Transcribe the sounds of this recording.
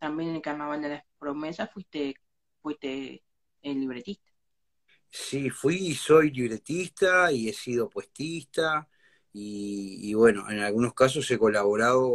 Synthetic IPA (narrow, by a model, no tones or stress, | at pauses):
t̪ambjennelkarnaβald̪elaspɾomesasfwit̪e | fwiht̪e | liβɾet̪iht̪ḁ | sifwiːso̞jliβɾe̞t̪ist̪aie̞siðopwe̞ht̪ist̪a | iːβwe̞no̞̰ʔḛnalɣunohkas̬o̞se̞ko̞laβo̞ɾaðo